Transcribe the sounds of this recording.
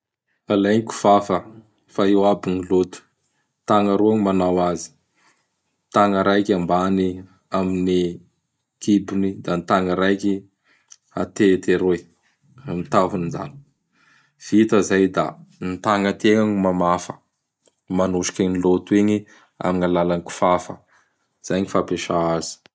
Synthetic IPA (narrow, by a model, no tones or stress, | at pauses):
alajŋiku̥v̥afə | faewabinilot̪u̥ | t̪aŋəɾoaŋimanawazi̥ | t̪aŋəɾajkambani | amini | kʰibunid̪anit̪aŋəɾajki | a̰t̪et̪eɾoj | amit̪aɦuninza̰ni̥ | v̥it̪əzajd̪a̰nit̪aŋət̪eŋaɲmamafə̥ | manuʃi̥kʲanilot̪ueɲi | a̰miŋalalaniku̥fafə | z̥ajɲifapeʃaazi̥